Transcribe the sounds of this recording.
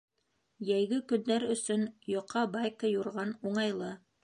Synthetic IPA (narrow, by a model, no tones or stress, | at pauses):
jæjɡɘkɵ̆nːæɾɵ̆sɵnjŏqʰːɑbɑjkəjuɾʁɑnuɴɑjlˠɤ